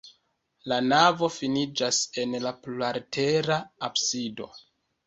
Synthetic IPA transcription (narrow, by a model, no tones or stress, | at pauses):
lanavo̞finid͡ʒase̞nlaplaɾtʰe̞ɾaːpsido̞̰